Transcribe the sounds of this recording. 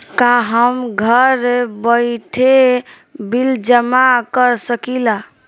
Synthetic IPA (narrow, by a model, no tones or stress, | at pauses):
kaɦəmɡʱəɾbəjʈʰe | bild͡ʒəmakəɾsəkila